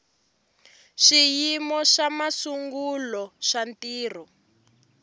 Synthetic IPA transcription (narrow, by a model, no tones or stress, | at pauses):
ʂijimɔʃamasuŋɡulɔʃantiːr̤ɔ